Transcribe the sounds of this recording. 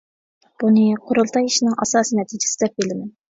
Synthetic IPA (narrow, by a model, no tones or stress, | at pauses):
b̥unɨqʰoɾʊlˠt̪ʰɑjiʃinɨŋʔɑ̰sɑːsɨnɛt̪ʰid͡ʒɪ̥sɪd̪ɛp̚belɪmɛn